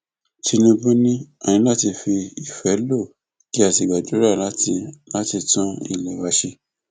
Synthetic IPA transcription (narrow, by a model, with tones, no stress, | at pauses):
ti˧nĩ˧bũ˦nĩ˦a˨nĩ˨˧˦la˦ti˧fi˧i˨fɛ˨˦lo˦˨ | ki˨˦a˦˨ti˧˨ɡ͡ba˨d͡ʒo˨˦ɾa˦˨la˨˦ti˧la˦ti˧tɔ̃˦ḭ˦˨lɛ˨wa˧ʃe˧